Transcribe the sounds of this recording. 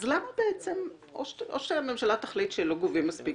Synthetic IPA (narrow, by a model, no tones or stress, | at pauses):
zlamabeet͡sem | oʃʔoʃeememʃalat̪aχlitʃeloɡovimːaspi